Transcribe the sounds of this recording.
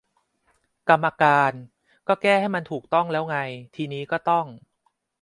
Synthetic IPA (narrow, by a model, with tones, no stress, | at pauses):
ka˧mːa˧kaː˧n | kɔː˥˩kɛː˥˩ha˥˩jma˧nt̪ʰuː˨˩k̚t̪ɔ˥˩ŋlɛː˦˥wŋa˧jt̪ʰiː˧niː˦˥kɔː˥˩t̪ɔ˥˩ŋ